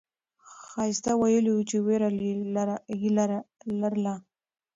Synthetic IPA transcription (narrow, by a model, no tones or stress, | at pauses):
xɑjɪst̪awajəliwut͡ʃeweɾa | jilaɾlaɾla